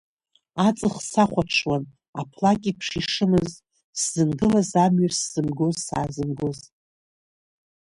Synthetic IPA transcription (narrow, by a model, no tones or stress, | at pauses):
at͡sʼɨχsaχʷaʈ͡ʂʰwan | apʰlakʲʼipʰʂiʂɨmɨz | szɨnɡɨlazamɥasz̥ɨmɡozsa̰ːzɨmɡoz